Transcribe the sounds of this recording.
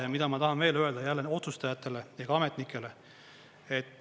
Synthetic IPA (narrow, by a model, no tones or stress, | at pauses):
ɑmid̪̥ɑmɑt̪ɑɦɑnve̞ːlø̞e̞ld̪̥ɑjælːeo̞t̪sust̪ɑjɑt̪ːˑe̞le̞jɑɡ̥ɑɑme̞t̪nikʰːˑe̞le̞ | e̞t̪ː